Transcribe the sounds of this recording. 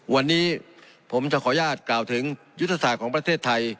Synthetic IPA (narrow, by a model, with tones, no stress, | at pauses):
wa˧nːiː˦˥ | pʰo˩˦mt͡ɕa˧˩kʰɔː˩˦jaː˥˩t̪̚klaː˨˩wt̪ʰɯ˩˦ŋ | ju˦˥t̪ʰːa˧saː˨˩t̪̚kʰɔː˩˦ŋpɾa˧t̪ʰeː˥˩t̪ʰːa˧j